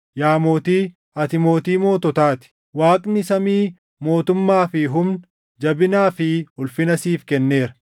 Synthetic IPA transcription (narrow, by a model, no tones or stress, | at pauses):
jaːmo̞ːt̪iː | ɐt̪ɪmo̞ːt̪iːmo̞ːt̪ɔt̪aːt̪ɪ̥ | waːkʼnɪsɐmiː | mo̞ːt̪ʊmːaːfɪɦʊmn | d͡ʒɐbɪnaːfɪhʊlfɪnɐsiːfkɛnːeːɾɐ